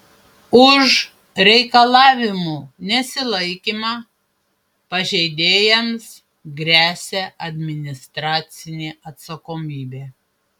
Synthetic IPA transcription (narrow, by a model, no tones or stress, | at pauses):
ʊʒ | ɾʲɛɪkɐlˠɑːʋʲɪmuːnʲɛsʲɪlˠɐɪkʲiːmɑː | pɐʒʲɛɪd̪ʲeːjɛms | ɡɾʲæːsʲɛʔɐd̪ʲmʲɪnʲɪst̪ɾɑːt̪sʲɪnʲeːɐt̪sɐkoːmʲiːbʲeː